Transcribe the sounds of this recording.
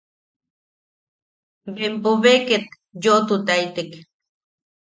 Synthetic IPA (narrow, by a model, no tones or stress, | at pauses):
bempoβeket̪ | joʔt̪ut̪ait̪ek